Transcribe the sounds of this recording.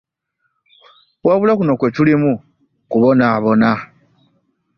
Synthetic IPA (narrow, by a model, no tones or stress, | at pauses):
waβulakuno̞kwetulimu | kuβonaːβona